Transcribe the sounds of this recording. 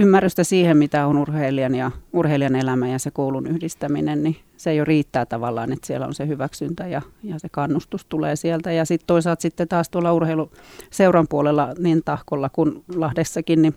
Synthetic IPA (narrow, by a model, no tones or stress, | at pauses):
ymːærːyst̪æsiːhemmit̪æonurheiliɑnjɑurheiliɑnelæmæjɑsekoulunyhdist̪æminenni | sejoriːt̪ːæːt̪ɑʋɑlːˑɑ̰ːnet̪siḛlo̰nsehyʋæksynt̪æjɑjɑsekɑnːust̪ust̪uleːsielt̪æjɑsit̪t̪oisɑːlt̪sit̪ːet̪ɑːst̪uolːɑurheiluseurɑmpuolelːɑnint̪ɑhkolːɑkunlɑhdesːɑkinni